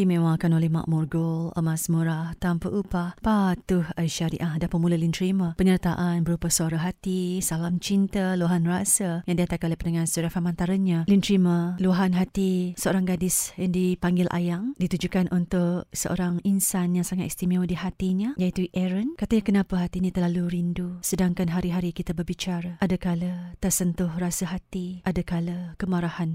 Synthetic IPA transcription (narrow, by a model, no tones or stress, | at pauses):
dimẽwakanolɛhma̰ʔmurɡɔlə̰masmuɾaht̪ampəʔupahpat̪uhaiʃaɾḭʔahdapəmulalint̪ɾiməpəɲərt̪aʔanbəɾupasəaɾaɦat̪isalamt͡ʃint̪əluaɦanrasajaŋdiat̪akanolepənəŋansuɾafamant̪aɾaɲãlint̪ɾiməluaɦanɦat̪isəoɾaŋɡadɪsjaŋdipaŋɡɪlʔa̰jaŋdit̪ud͡ʒukanʔunt̪ʊʔsə̰ʔo̰ɾaŋinsanjaŋsaŋat̪ɛst̪imiwdiɦat̪iɲajait̪uʔɛɾənkat̪aɲakənãpaɦat̪inĩt̪ərlaluɾindusədaŋkanɦaɾiɦaɾikit̪abərbit͡ʃaɾaʔadakalət̪əsənt̪ʊhrasaɦat̪iʔadakaləkəmaɾahan